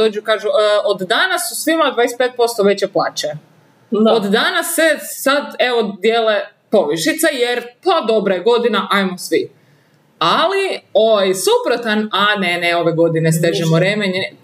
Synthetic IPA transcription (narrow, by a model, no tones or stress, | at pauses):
oːd͡ʒukaːʒuod̪d̪anasːusʋimad̪ʋaːespeːt̪̚po̞st̪oʋet͡ɕeplˠaːt͡ɕe | od̪d̪anasːesad̪eʋod̪jeːle | po̞ʋiʃit̪sejeɾpad̪o̞bɾajeɡo̞d̪inaʔajmosʋi | alioʋajsupɾot̪ananeneo̞ʋeɡo̞d̪inest̪eʒimoɾemeɲ